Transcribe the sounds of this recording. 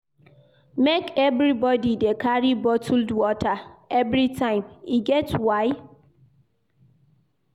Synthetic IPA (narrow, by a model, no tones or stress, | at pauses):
mekevɾibɔdidekaɾibɔtʰldwɔtaevɾitʰãɪ̃miɡɛtwaɪ